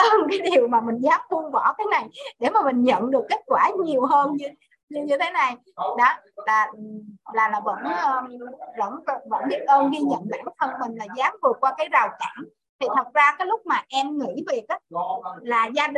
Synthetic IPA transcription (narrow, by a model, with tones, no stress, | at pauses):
ʔə˧nkaː˨˦jɗi˨˩əwmaː˨˩mï˨˩ŋ̟zaː˨˦m̚fu˧əŋvɔ̰˧˩˦kaː˨˦jna˨˩jɗe˧˩maː˨˩mï˨˩ŋ̟ɲə̰˧˨nɗɨ˨˩əkːe˦˥t̚kwaː˧˩ɲi˨˩əwhəː˧nɲɨ˧ | ɲɨ˧ɲɨ˧t̪ʰe˨˦na˨˩j | ɗɔ˨˦laː˨˩˨laː˨˩laː˨˩və̰˧˥nʔəː˧və̰˧˥n˧˩və̰˧˥nɓi˦˥ət̚ʔəː˧nɣi˧ɲə̰˧˨nla̰ː˧˨jka˦˥fə˧˩nmï˨˩ŋ̟laː˨˩zaː˨˦mvɨ˨˩ət̚kwaː˧kaː˨˦jza˨˩wka̰ː˧˩ŋ | t̪ʰi˨˩t̪ʰə˨˩t̚zaː˧kaː˨˦jlʊ˦˥k͡p̚maː˨˩ʔɛ˧mŋḭ˧˥ve˨˩ka˨˦laː˨˩zaː˧ɗ